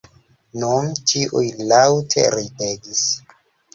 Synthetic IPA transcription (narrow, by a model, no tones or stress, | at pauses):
nuntʰiʔujlawtʰḛɾideɡis